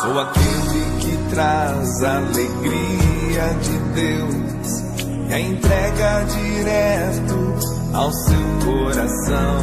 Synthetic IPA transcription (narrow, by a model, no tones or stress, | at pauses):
owakelɪkɪt̪ɾa | zɐːleɡɾiɐd͡ʒɪd̪ew | s | ɐẽnt̪ɾɛɡɐd͡ʒi | ɾɛ | t̪ʊ | awsewkoɾasɐ̃w̃